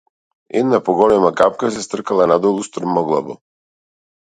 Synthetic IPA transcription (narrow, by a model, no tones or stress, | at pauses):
ɛ̰d̪napɔɡɔlɛmakap̚kas̬ɛst̪r̩kalˠanad̪ɔlˠust̪r̩mɔɡlˠa̰bɔ̰